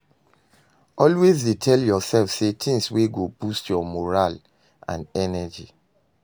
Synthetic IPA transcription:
ʔɔlwezdetʰɛljɔsɛlfsetʰĩŋsweɡobustjɔmɔɹal | ã̰nɛnɛd͡ʒi

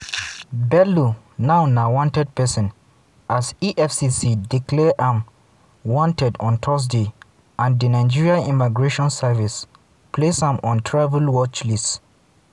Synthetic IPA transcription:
bɛlu | naʊnawɔ̃ntɛd̚pɛsɔ̃n | ʔasiʔɛfsisidiklɛʔãm | wɔ̃ntɛdɔ̃ntʰɔs̬de | ãndənaɪ̃d͡ʒiɹiaĩmiɡɹeʃɔ̃nsɛvis | pʰlesãmɔ̃ntʰɹavulwɔt͡ʃlist

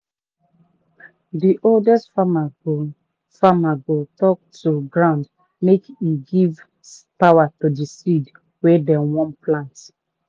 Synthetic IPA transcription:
diʔoldɛstfamaɡo | famaɡotɔk̚tuɡɹãʊ̃nd | mekiɡiv | pawatudisid | wedɛ̃wɔ̃nplãnt

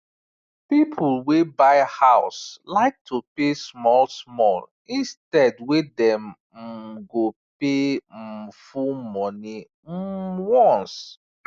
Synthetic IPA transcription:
pipʰulwebaɪhaʊslaɪk̚tʰupesmɔlsmɔl | ĩnstɛdwedɛ̃m | ɡope | fumɔ̃ni | wɔ̃ns

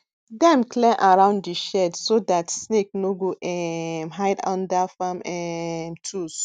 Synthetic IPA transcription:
dɛ̃mklɛʔaɹãʊ̃nddiʃɛdsodatsnek̚noɡoʔɛmɦaɪdã̰ndafamɛntʰus

